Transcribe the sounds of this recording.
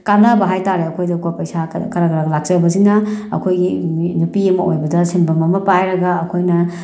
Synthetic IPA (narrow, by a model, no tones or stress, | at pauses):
kanabɐɦajtaɾeɐkʰojdɐkopɐjsakɐɾakɐɾaɡlak̚t͡ʃɐbɐsinɐɐ̰kʰojɡinupiɐmɐojbɐdɐsinbɐmɐmɐpajɾɐɡaːkʰojnɐ